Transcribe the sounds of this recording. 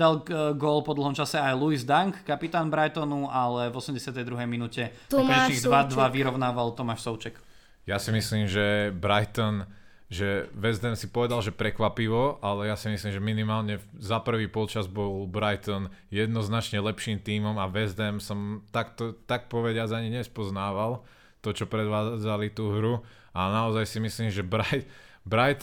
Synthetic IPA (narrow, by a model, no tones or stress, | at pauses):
d̪alɡɔlpɔd̪l̩ˠɦɔmt͡ʃasɛajluizd̪aŋkːapit̪aːnbɾajt̪ɔnualɛvɔsɛmɟɛsɪat̪ɛjd̪ɾuɦɛjminucɛ | ɔɲɛt͡ʃiɡd̪ʋad̪ʋaʋiɾɔʊnaːʋalt̪ɔmaʃsɔʊt͡ʃɛk | jasimisliːmʒɛbɾajt̪ɔn | ʒɛʋɛzd̪ɛmsipɔʋɛd̪alʒɛpɾɛkʋapiʋɔʔalɛjasimisliːmʒɛminimaːlɲɛzapr̩ʋiːpɔlt͡ʃazbɔlˠbɾajt̪ɔn | jɛd̪nɔznat͡ʃɲɛlɛpʃiːmt̪iːmɔmaʋɛzd̪ɛmsɔmt̪akt̪ɔt̪ak̚pɔʋɛɟɪad͡zaɲiɲɛspɔznaːʋalˠ | t̪ɔt͡ʃɔpɾɛd̪ʋaːd͡zalit̪uːɦɾu | anaɔzajsimisliːmʒɛbɾajbɾajt̪